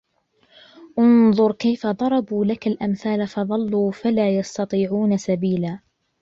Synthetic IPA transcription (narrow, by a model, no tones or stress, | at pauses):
ʔʊnðˤʊɾˤkajfad̪ˤɑɾˤɑbuːlakalʔamθaːlafɑðˤɑlːuːfalaːjɑst̪ɑt̪ˤiːʕuːnasabiːlaː